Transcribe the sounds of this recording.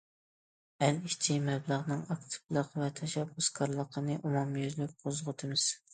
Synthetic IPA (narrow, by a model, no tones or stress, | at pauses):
ælit͡ʃʰimɛblˠəʁnɨŋɑkt̪ʰɨ̥blˠəqvɛt̪ʰɛʃɛbːuskʰɑɾlˠəqʰənɨʔumumjyzlyk̚ʲqʰozʁʊt̪ʰɨmɨz̥